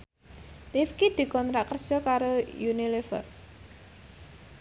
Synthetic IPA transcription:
lifkid̪̥i̤kɔnt̪ɾaʔkərd̥ʒ̥ɔ̤kaɾojunilefə̰r

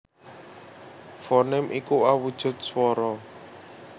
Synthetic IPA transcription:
fɔnɛmʔikuawud̥ʒ̥ʊ̤t̪̚swɔɾɔ

